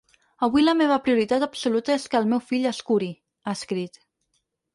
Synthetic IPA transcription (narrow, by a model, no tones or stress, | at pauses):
əβiləmeβ̞əpɾiuɾit̪at̪əpsulut̪əeskəːlˠmewfiʎəskuɾi | askɾit̪